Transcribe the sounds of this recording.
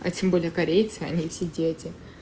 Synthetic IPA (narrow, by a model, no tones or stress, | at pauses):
ɐ̰tʲembolʲɪjəkɐɾʲejt̪sɨɐ̰nʲifsʲedʲetʲɪ